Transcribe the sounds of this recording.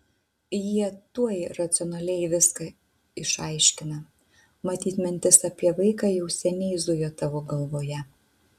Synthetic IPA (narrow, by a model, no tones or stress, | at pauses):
jiɛt̪uɔjɾɐt̪sʲɪɔnɐlʲɛɪʋʲɪskɐ | ɪʃɐɪʃʲkʲɪnɐ | mɐt̪ʲiːt̪mʲɪnʲt̪ʲɪsɐpʲiɛʋɐɪkɑːjɛʊsʲɛnʲɛɪzd̪ʊjoːt̪ɑːʋoːɡɐlˠʋoːjɛ